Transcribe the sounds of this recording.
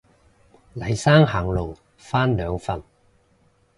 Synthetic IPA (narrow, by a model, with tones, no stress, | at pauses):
lɐ˨˩jsaː˥ŋɦaː˨˩ŋlo˨w | faː˥nlœː˨˧ŋfɐ˨n